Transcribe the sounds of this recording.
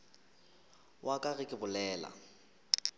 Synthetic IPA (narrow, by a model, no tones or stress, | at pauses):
wʔakʼaɣɪkʼɪbʊlɛːla̰